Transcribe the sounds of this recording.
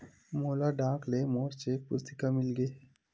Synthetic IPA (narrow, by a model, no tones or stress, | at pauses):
moːlaɖãːklemoːɾsepʊst̪ɪ̥kamɪlɡeː